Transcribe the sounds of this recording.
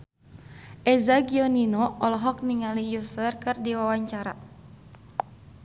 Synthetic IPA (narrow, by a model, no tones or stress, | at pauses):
ʔɛzaɡiɔninɔɔlɔɦɔk̚niŋalijusərkɨrdiwawaɲt͡ʃaɾa